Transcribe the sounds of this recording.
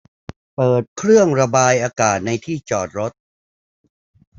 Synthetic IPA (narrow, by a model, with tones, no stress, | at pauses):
pɤː˨˩t̪̚kʰɾɯ˥˩əŋɾa˧baː˧jʔaː˧kaː˨˩t̪̚na˧jt̪ʰiː˥˩t͡ɕɔː˨˩t̪̚ɾo˦˥t̪̚